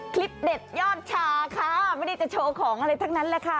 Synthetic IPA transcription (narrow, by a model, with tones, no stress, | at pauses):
kʰli˦˥p̚de˨˩t̪̚jɔː˥˩t̪̚t͡ɕʰaː˧kʰa˦˩ma˥˩da˥˩t͡ɕa˨˩t͡ɕʰoː˧kʰɔː˩˦ŋʔa˧ɾa˧jt̪ʰa˥˩ŋna˦˥nlɛː˦˥˩kʰa˦˥˩